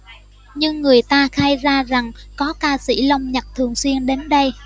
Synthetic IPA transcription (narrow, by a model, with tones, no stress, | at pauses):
ɲɨ˧ŋːɨ˨˩əjt̪aː˧xaː˧jzaː˧za˨˩ŋkɔ˨˦kaː˧sḭ˧˩lə˧wŋ͡mɲə˨˩t̚t̪ʰɨ˨˩əŋswi˧ənɗe˨˦nɗə˧j